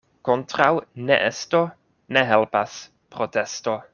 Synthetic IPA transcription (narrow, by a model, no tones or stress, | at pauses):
kontɾawnḛʔesto̞ | neɦelpas | pɾotesto̞